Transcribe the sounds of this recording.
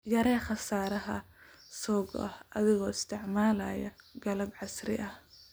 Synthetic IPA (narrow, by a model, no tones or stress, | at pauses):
jɐɾɛːχɐsaːɾɐɦɐ | sɔːɡɔ̰ʔɐhɐðɪɣɔːɪst̪ʰɪʕmaːlaːjɐɡɐlɐbʕɑsrɪ̰ʔɐh